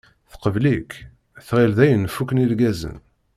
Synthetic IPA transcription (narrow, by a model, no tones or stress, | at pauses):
θə̥qəvlik | θʁilðæjənfukːənilɡæzə̰n